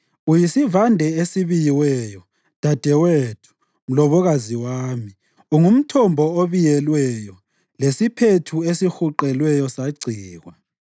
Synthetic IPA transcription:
ujisivandʱɛesiβijiwɛjɔ | d̥ʱad̥ʱɛwetʰu̥ | m̩lɔβɔɣaziwaːmi | uŋum̩tʰɔmbʱɔoβijɛlwɛjɔ | lesipʰetʰuesixuǃɛlwɛjɔsaɡ͡ǀʱiːɣwa

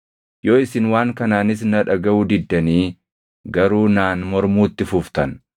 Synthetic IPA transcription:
jo̞ːɪsɪnwaːŋkɐnaːnɪs̬nɐᶑɐɡɐuːd̪ɪd̪ːɐniː | ɡɐɾuːnaːnmɔɾmuːt̪ːɪfʊft̪ɐn

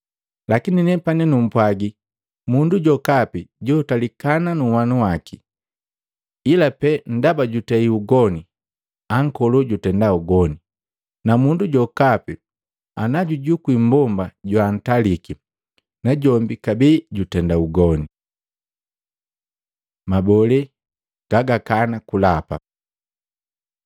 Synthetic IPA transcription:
lakininɛpanɛnum̩pwaɡi | munduɟɔkapiɟɔːtalikananuwanuwaki | ilapɛn̩dabaɟutɛiuɡɔni | aŋ̩kɔluɟutɛndauɡɔni | namunduɟɔkapi | anaɟuɟukwimbɔmbaɟwan̩taliki | naɟɔmbikabiːɟutɛndauɡɔni | mabɔlɛ | ɡ̥aɡakanakulapa̰

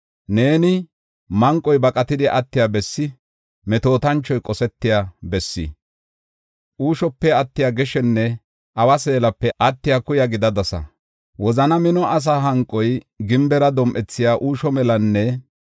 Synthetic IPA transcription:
ne̞ːnɪ | mɐŋkʼːɔjbɐkʼɐt̪ɪd̪ɪʔɐt̪ːɪjaːbɛsːɪ | mɛt̪o̞ːt̪ɐnt͡ʃːɔjkʼɔsɛt̪ːɪjaːbɛsːɪ̰ | ʔuːʃɔpːɛɐt̪ːɪjaːɡɛʃɛnːɛ | ʔɐwɐse̞ːlɐpːɛʔɐt̪ːɪjakʊjɐɡɪd̪ɐd̪ɐsɐ̰ | wɔzɐnɐmɪnɔʔɐs̬aɦɐŋkʼːɔj | ɡɪmbɛɾɐd̪ɔmʔɛt͡sːɪjaːʔuːʃɔmɛlɐnːɛ

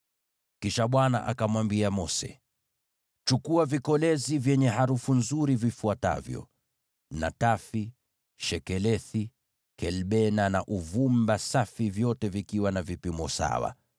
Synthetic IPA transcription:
kiʃaɓwana̰ʔa̰kamwambiamɔsɛ̰ | t͡ʃukuavikɔlɛzivjɛɲɛɦaɾufunzuɾivifuata̰vjɔ̰ | na̰tafi | ʃɛkɛlɛθi | kɛlɓɛnanaʔuvumbasafivjɔtɛvikiwanavipimɔsa̰wa̰

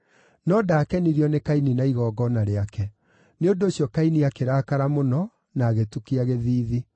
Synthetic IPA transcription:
nɔdaːkɛniɾiɔnekaininaiɣɔɡɔnaɾeakɛ | neondoːɕjɔkainiakeɾakaɾamonɔ | naːɣetukiaɣeðiːði

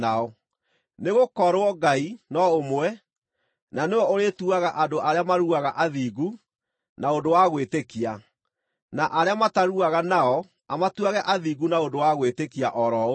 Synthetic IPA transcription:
aɔ | neɣokɔɾwɔɡainɔomwɛ | nanewɔoɾetuaɣaʔadoʔaɾeamaɾuaɣaʔaðiːɡu | naondowaɣwetekia | naʔaɾeamataɾuaɣanaɔ | amatuaɣɛʔaðiːɡunaondowaɣwetekiaʔɔɾɔ

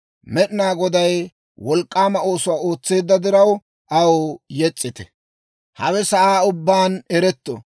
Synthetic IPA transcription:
mɛɗɪnaːɡɔd̪ɐj | wɔlkʼːaːmɐo̞ːsʊwaːo̞ːt͡sːe̞ːd̪ːɐd̪ɪɾɐw | ʔɐwɔjɛt͡sʼːɪt̪ɛ̰ | hɐwɛsɐʔaːʊbːaːnɛɾɛt̪ːɔ̰

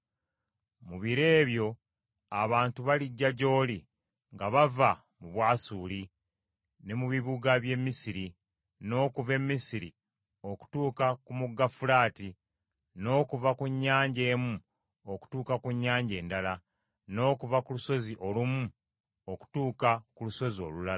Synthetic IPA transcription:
muβiɾe̞ːβjo̞ | aβaːntuβaliɟːaɟo̞ːli | ŋɡaβava | muβwaːsuːli | ne̞muβiβuɡaβje̞mːisiɾi | no̞ːkuve̞mːisiɾḭ | o̞ku̥tuːkakumuɡːafulaːti | no̞ːkuvakuɲːaːɲɟe̞ːmu | oku̥tuːkakuɲːaːɲɟe̞ːndala | no̞ːkuvakuluso̞ziʔo̞lumu | oku̥tuːkakuluso̞zio̞̰lulaa

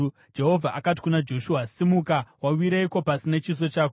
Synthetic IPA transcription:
d͡ʒe̞ɦo̞vʱaʔakat̬i̥kunad͡ʒo̞ʃuasimukawawiɾeiko̞pasinet͡ʃis̬o̞t͡ʃaːko

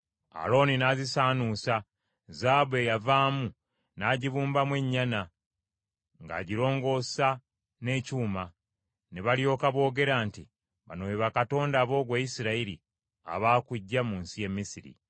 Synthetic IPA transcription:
a̰ɾo̞ninaːzisaːnusa | zaːbe̞javaːmu | naːɟiβuːmbamwe̞ɲːana | ŋɡa̰ːɟiɾo̞ːŋɡo̞sa | ne̞ːcuːma | neβaljo̞ːkaβo̞ːɡe̞ɾaːnti | βa̰nojeβakato̞ːndaːβo̞ːɡwaːjisiɾaiɾḭ | a̰βaːkuɟːamuːnsije̞mːisiɾḭ

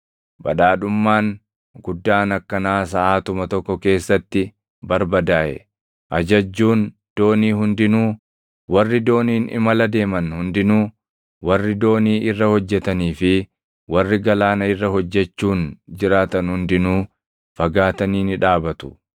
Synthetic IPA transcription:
bɐ̰ᶑaːᶑʊmːaːn | ɡʊd̪ːaːnɐkːɐnaːs̬ɐʔaːt̪ʊmɐt̪ɔkːɔke̞ːsːɐt̪ːɪ | bɐɾbɐd̪aːʔɛ̰ | ʔɐd͡ʒɐd͡ʒːuːn | d̪̥o̞ːniːɦʊnd̪ɪnuː | wɐrːɪd̪o̞ːniːnɪ̰mɐlɐd̪e̞ːmɐnhʊnd̪ɪnuː | wɐrːɪd̪o̞ːniːʔɪrːɐhɔd͡ʒːɛt̪ɐniːfɪ | wɐrːɪɡɐlaːnɐɪrːɐhɔd͡ʒːɛt͡ʃːuːnd͡ʒɪɾaːt̪ɐnhʊnd̪ɪnuː | fɐɡaːt̪ɐniːnɪᶑaːbɐt̪ʊ̥

